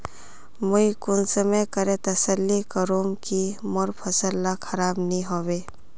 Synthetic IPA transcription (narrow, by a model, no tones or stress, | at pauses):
mʊikʊnsəmejkəɾẽt̪ɐsəlːikəɾoːmkimɔɾpʰɐsəlːakʰɐɾaːbnĩɦoːweː